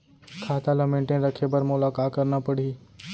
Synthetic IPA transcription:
kʰaːt̪alɐmẽːɳʈẽɾɐkʰepɐɾmʊlaːkaːt̪̚kɐɾnapəɽ̤iː

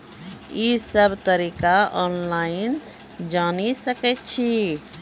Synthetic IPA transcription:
isəbt̪əɾiːkaɔːnlaːɪn | d͡ʒaːnisəkɛt͡ʃʰi

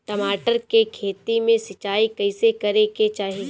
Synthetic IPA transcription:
t̪ɐmaːʈəɾkekʰeːt̪imẽsɪt͡ʃaːikɐɪsekɐɾeket͡ʃaːɦi

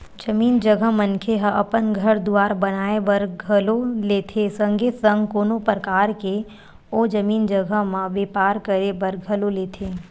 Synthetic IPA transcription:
d͡ʒɐmiːnd͡ʒəɡʱəɦmənkʰeɦəʔɐpənɡʱɐɾd̪uaːɾbɐnaːebɐɾɡʱəloleːt̪ʰesɐ̃ŋɡet̪sə̃ŋɡkoːnopɾəkaːɾke | oːd͡ʒɐmiːnd͡ʒəɡʱəmãʋeːpaːɾkəɾebɐɾɡʱɐloleːt̪ʰeː

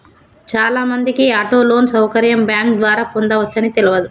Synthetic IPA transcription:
t͡ʃaːlaːmɐnd̪ikiaːʈoːlo̞ːnsɐwkɐɾjɐmbjaːŋkd̪ʋaːɾaːpond̪ɐʋɐt͡ʃːɐnit̪eluʋɐd̪u

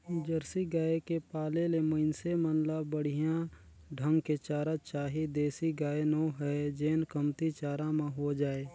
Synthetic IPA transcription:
d͡ʒəɾsiɡaːekepaːleleməɪnsemənləbəɽ̤ijã | ɖʱə̃ŋɡket͡ʃaːɾət͡ʃaːɦid̪eːsiɡaːjenoɦɛd͡ʒeːnkəmt̪it͡ʃaːɾãmẽɦod͡ʒaːeː

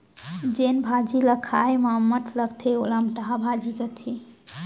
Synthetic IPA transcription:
d͡ʒenbʱad͡ʒiləkʰajməɦəmːət̪ʰləɡt̪ʰeolamʈaɦabʱad͡ʒikət̪ʰi

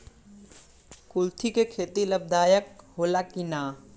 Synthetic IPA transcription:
kʊlt̪ʰikekʰeːt̪iləb̚d̪ʱaːjək̚ɦoːlakinaː

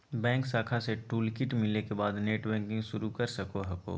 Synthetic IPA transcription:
bɛ̃ːŋksaːkʰaseʈuːlkɪʈmɪlekebaːd̪neːʈbɛ̃ːŋkɪ̃ŋɡʃʊɾukɐɾsɐkoɦɐko̰ː

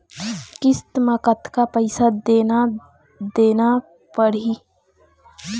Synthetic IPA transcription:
kɪst̪məkət̪kapəɪsad̪eːna | d̪eːna | pəɽi

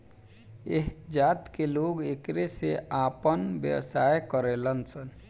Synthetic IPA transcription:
eɦd͡ʒat̪keloɡekɾeseapənbjə̰wsajkəɾelənsən

